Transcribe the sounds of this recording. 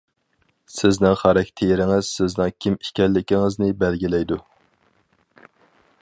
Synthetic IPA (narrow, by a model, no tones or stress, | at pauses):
sɪznɪŋχɑɾɛkʲt̪ʰejɾɪŋɪz̥sɪznɪŋkʲʰimi̥kʲɛlːɪkʲiŋɪznɪbɛlɡʲilɛjd̪u